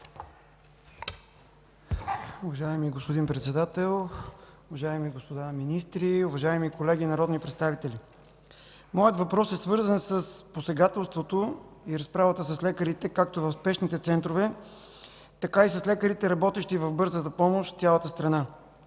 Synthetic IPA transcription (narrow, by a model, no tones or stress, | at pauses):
ʊvɐʒaɛmiɡospod̪inpɾɛt̪sɛd̪at̪ɛlˠʊvɐʒaɛmiɡospod̪aminist̪ɾiʊvɐʒaɛmikolɛɡ̟inɐɾɔd̪nipɾɛt̪st̪avit̪ɛlʲi | mɔjət̪vɐpɾɔsɛsvɤɾzənsəsposɛɡat̪ɛlˠst̪vot̪oiɾɐspɾavət̪əs̬ɐslɛkəɾit̪ɛkak̚t̪ovɐfspɛʃnit̪ɛt̪sɛnt̪ɾovɛ | t̪ɐkaisɐslɛkəɾit̪ɛɾɐbɔt̪ɛʃt̪ivɐfbɤɾzət̪əpɔmoʃt̪t̪sʲalˠət̪əst̪ɾɐna